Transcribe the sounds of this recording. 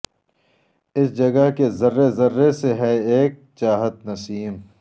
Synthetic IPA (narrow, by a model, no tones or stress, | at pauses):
ɪsd͡ʒɐɡɐɦkezɐɾːezɐɾːeseɦɛeːk̚t͡ʃaːɦət̪̚nɐsiːm